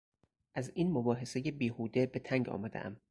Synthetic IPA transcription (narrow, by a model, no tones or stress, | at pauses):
ʔæziːnmobɒːɦe̞se̞jebiːhuːd̪ebe̞t̪ʰæŋɟɒ̰ːmæd̪ḛʔæ̰m